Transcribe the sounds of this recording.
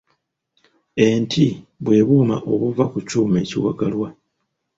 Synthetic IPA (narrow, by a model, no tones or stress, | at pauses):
entʰiβwe̞ːβuːma̰ʔo̞βuvakucuːme̞ːciwa̰ɡalwa